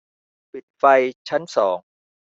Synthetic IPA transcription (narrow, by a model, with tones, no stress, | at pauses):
pi˨˩t̪̚fa˧jt͡ɕʰa˦˥nsɔː˩˦ŋ